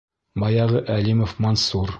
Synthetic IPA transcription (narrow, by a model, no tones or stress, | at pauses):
mɑjɑʁɤʔælimofmonsuɾ